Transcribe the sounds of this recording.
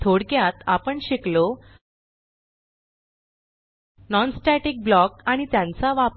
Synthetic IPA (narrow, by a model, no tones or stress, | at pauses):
t̪ʰoɽkjat̪apəɳɕiklo | nɔnsʈɛʈik̚blɔkaɽ̃it̪jãnt͡saʋap